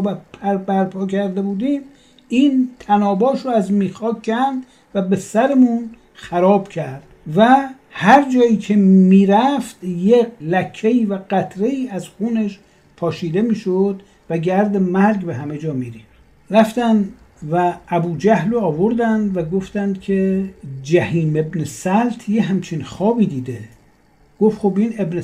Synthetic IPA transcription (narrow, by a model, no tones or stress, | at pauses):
bæpʰæɾbæɾpʰɒːkʰæɾd̪ebuːd̪iːm | iːnt̪ʰænɒːbɒːʃɾoæzmiːxɒːkʰænd̪ | væbe̞sæɾemun | xæɾɒːbcʰæɾd̪̥væ | hæɾd͡ʒɒːjiːkʰe̞miːɾæft̪jelækʰːeiːvæɢæt̪ʰɾe̞iːæzxuːneʃ | pʰɒːʃiːd̪e̞miːʃod̪ | væɡæɾd̪emæɾɡbe̞ɦæmed͡ʒɒːmiːɾiːxt̪ | ɾæft̪ænd̪ | vææbuːd͡ʒæhloɒːvoɾd̪ænd̪væɡoft̪ænd̪̥kʰed͡ʒæhiːme̞bnesælt̪ʰjeɦæmt͡ʃʰinxɒːbiːd̪iːd̪e | ɡ̥ofxobiːne̞bne